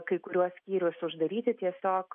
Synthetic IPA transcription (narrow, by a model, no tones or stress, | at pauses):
kɐɪkʊɾʲuɔsʲsʲkʲiːɾʲʊsʊʒd̪ɐɾʲiːt̪ʲɪt̪ʲiɛsʲoːk